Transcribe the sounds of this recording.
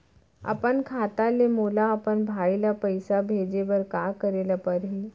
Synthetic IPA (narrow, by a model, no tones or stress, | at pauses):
a̰pəɳkʰat̪alemolaːpəɳbʱaɭilapəjsabʱed͡ʑeʋəɾkakəɾelapəɾɦi